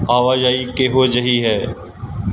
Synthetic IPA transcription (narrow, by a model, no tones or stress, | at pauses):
aːʋaːjaːiːkeːɦoːd͡ʒəɦiːɦɛː